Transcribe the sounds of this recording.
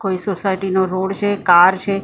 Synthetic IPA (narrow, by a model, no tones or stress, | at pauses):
koisosaɪʈinoɾoːɽt͡ʃʰekaːɾt͡ʃʰe